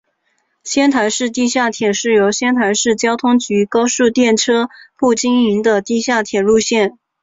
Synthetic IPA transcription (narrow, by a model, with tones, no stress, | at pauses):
ɕjɛ˥nt̪ʰa˧˥ɪʂɻ̩˥˧t̪i˥˧ɕja˥˩t̪ʰjɛ˨˩ʂɻ̩˥˩jo˧˥ʊɕjɛ˥nt̪ʰa˧˥ɪʂɻ̩˥˩t͡ɕjɑ˥ʊt̪ʰʊ˥ŋt͡ɕy˧˥kɑ˥ʊʂu˥˧t̪jɛ˥˩nʈ͡ʂʰɤ˥pu˥˩t͡ɕi˥ŋi˧˥ŋd̪ə˧t̪i˥˧ɕja˥˩t̪ʰjɛ˨˩lu˥˧ɕjɛ˥˩n